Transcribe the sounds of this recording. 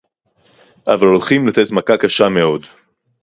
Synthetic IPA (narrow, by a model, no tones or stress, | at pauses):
ʔavalo̞lχimlat̪e̞t̪makakaʃame̞o̞d